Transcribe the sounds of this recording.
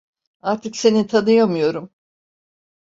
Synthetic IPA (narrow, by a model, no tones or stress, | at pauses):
aɾt̪ʰɯkse̞nint̪ʰanɯjomujo̞ɾum